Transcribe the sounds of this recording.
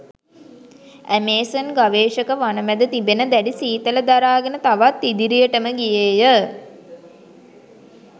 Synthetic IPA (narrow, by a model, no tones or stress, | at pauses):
æmeːsənɡaʋeːʃəkəʋanəmæd̪ət̪ibenəd̪æɖisiːt̪ələd̪aɾaːɡənət̪aʋat̪ːid̪iɾijəʈəməɡijeːjə